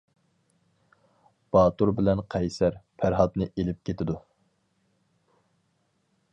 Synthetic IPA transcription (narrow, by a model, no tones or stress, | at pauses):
b̥ɑːt̪uɾbɪlɛnqʰɛjsæɾpʰæɾɦɑt̪nɨʔelɪp̚kʲʰet̪ʰɪd̪u